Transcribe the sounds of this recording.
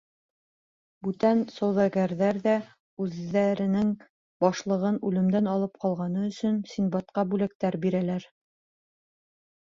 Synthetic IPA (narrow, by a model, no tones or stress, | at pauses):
bʉt̪ænsɑwðɑɡæɾðæɾðæ | ʉðæɾɘ̆nɘŋ | bɑʃlˠɤ̆ʁɤnʉlɘ̆md̪ænɑlˠɤp̚qɑlˠʁɑnɤɵ̆sɵnsinbɑt̪̚qɑbʉlæk̚t̪æɾbiɾælæɾ